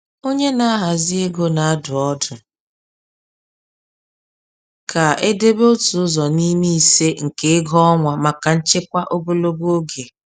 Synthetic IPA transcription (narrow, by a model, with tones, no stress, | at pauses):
o˦ɲe˦na˦a˦ɦa˨zɪ˦e˦ɡo˦na˨a˦dʊ˨ɔ˦dʊ˨ | kʰa˨e˦de˦bo˦tʊ˨ʊ˦zɔ˨ni˦mi˦i˨se˦ŋ̩˨ke˦ɡɔ˦ɔ˦ŋʷa˨ma˨ka˨n̩˦t͡ʃɪ˦kʷa˦ʔo˦ɡo˦lo˦ɡo˦ɡe˨